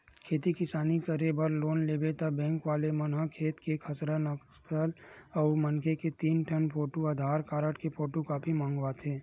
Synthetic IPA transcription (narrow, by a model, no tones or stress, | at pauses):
kʰeːt̪ikɪsaːnikəɾebəɾloːnleːbet̪abɛ̃ːŋkʋaːlemɐnɦakʰeːt̪kekʰəsɾanək | kəlɔːɾmənkʰeket̪iːnʈʰənpʰoːʈuad̪ʱaːɾkaːɾəʈkepoːʈukaːpʰimãːŋɡʋat̪ʰeː